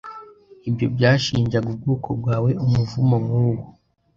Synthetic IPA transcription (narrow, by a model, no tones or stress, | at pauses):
ibjobjaːʃiːɲd͡ʒaɡub̚ɡuːkʰobɡwaːwe̞umuvumoŋɡoɡo